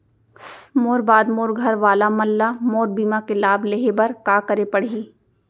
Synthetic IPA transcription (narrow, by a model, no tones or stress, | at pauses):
moːɾbaːd̪moːɾɡʱɐɾʋaːlamɐlːamoːɾbiːmakelaːbʱleɦebɐɾkaːkəɾepɐɽ̤iː